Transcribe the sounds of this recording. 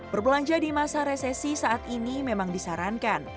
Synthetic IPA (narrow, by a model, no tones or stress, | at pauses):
bərbəlaɲd͡ʒadimasaɾesɛsisaat̪inimemaŋdisaɾankan